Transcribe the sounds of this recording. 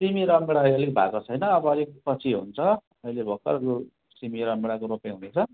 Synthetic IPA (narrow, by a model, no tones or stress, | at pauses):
simiɾʌmeɽaiʌlik̚bʱa̰kot͡sʰʌjnʌːbʌʌlikpʌt͡sʰiɦṵnt͡sʰʌ | ʌjlebʱʌkːʌ̰ɾko | simiɾʌmeɽakoɾopeɦunet͡sʰʌ